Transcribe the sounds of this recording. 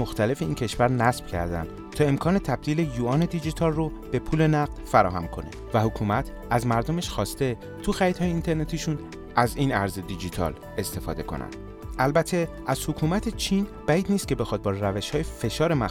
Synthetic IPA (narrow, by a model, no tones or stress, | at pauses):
oxt̪ʰæle̞fe̞iːncʰe̞ʃvæɾnæsb̥cʰæ̰ɾd̪æ̰nd̪̥ | t̪ʰɒːe̞mkʰɒːne̞t̪ʰæb̚d̪̥iːlejuːɒːne̞d̪id͡ʒit̪ʰɒːlro | b̥e̞pʰuːle̞næɣ̚d̪̥fæɾɒ̰ːɦæmkʰo̞nḛ | væhokʰuːmæt̪ʰ | æzmæɾd̪omeʃxɒːst̪e̞ | t̪ʰuxæɾid̪hɒːjeiːnt̪ʰe̞ɾne̞t̪ʰiʃun | æziːnæɾzed̪id͡ʒit̪ʰɒ̰l | e̞st̪e̞fɒ̰ːd̪e̞kʰo̞̰nʔæ̰nd̪̥ | ʔælbæt̪ʰe̞ | æz̥hokʰuːmæt̪ʰet͡ʃʰin | b̥æid̪nist̪̚cʰe̞be̞xɒːd̪̚bɒːɾɾæveʃhɒːjefe̞ʃɒːɾe̞mæ